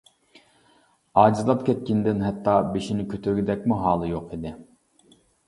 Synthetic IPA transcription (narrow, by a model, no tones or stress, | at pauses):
ɑːd͡ʒizlˠɑp̚kʲʰɛt̪̚kʲind̪ɪnɦɛt̪ʰːɑbeʃinɪkʲʰøt̪ʰyɾɡʲid̪ɛkʲmuɦɑːlˠɨjoqʰid̪ɪ